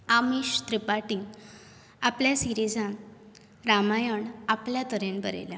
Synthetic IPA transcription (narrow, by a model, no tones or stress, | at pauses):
amiɕt̪ɾipaʈĩŋ | apljasiɾid͡zãn | ɾamajəɳapljat̪əɾenbəɾḛla